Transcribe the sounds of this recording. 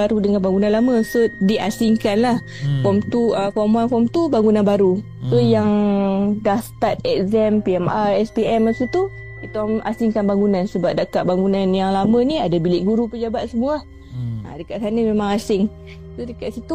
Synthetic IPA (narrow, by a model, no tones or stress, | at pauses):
aɾudəŋanbaŋɡunanlaməsodiʔasɪŋkanlah | kɔmt̪uəkɔmuankɔmt̪ubaŋɡunanbaɾu | sojaŋdahst̪at̪̚ɛk̚zɛmpiɛmaɛspiɛmːasət̪u | it̪ɔma̰sɪŋkanbaŋɡunansəbap̚dakaʔbaŋɡunanjaŋlaməniadabilɪʔɡuɾupəd͡ʒabat̪̚səmua | a̰dəkaʔ̪sanəmemãŋasɪŋ | sodəkaʔsit̪u